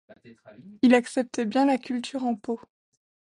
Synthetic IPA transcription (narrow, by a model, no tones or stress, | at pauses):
ilaksɛp̚t̪ʰɛbjɛ̃lakʲylt̪ʰyʁɑ̃po